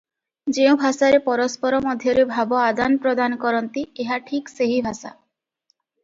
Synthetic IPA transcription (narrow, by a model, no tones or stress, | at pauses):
d͡ʒew̃bʱasaɾepɔɾɔspɔɾɔmɔd̪ʱjɔɾebʱabɔad̪anpɾɔd̪ankɔɾɔnt̪ieɦaʈʰikseɦibʱasa̰